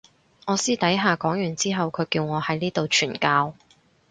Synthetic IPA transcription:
ŋɔː˨˧siː˥t̪ɐ˨˥jɦaː˨kɔː˨˥ŋjyː˨˩nt͡siː˥ɦɐ˨wkʰɵ˨˧ɥkiː˧wŋɔː˨˧hɐ˨˥jniː˥t̪o˨wt͡ʃʰyː˨˩nkaː˧w

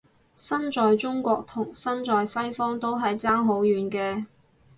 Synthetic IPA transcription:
sɐ˥nt͡ʃɔː˨jt͡sʊ˥ŋkʷɔː˧k̚t̪ʰʊ˨˩ŋsɐ˥nt͡sɔː˨jsɐ˥jfɔː˥ŋt̪o˥wɦɐ˨jt͡saː˥ŋɦo˨˥wjyː˨nkɛː˧

